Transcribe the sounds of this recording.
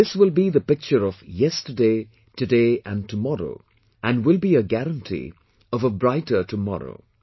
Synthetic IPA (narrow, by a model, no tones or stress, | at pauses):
ðɪswɪlˠbiðəpɪk̚t͡ʃəɾʌv̥jɛstə˞deɪ | tɨdeɪʔɨ̃ntʰəmɔɾo̰ʊ | ʔɨ̃nwɪlˠbiɨɡæɾə̃ntʰḭ | ʌvəbɹaɪtə˞tʰəmɔ̰ɾo̰ʊ